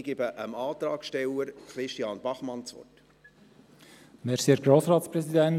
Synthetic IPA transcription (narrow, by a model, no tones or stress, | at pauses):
ɡɪbəʔəmɑːt̪ɾɑːkʃtɛləɾkɾɪʃtijɑːnb̥ɑχmɑnt͡sʋɔ̰t | mɛɾsiɛɾɡ̥ɾoːsɾɑːt̪spɾɛsidɛn